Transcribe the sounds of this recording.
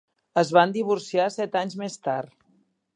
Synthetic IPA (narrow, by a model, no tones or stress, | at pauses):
əzβand̪iβ̞uɾsiasɛt̪aɲzmest̪art̪